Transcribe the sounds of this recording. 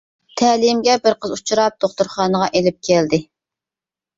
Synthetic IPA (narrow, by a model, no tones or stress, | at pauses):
t̪ʰɛːlɪmɡʲɛbɪɾqəzut͡ʃʰuɾɑp̚d̪̥oχt̪uɾχɑːnəʁɑʔelɪp̚kʲʰɛld̪ɪ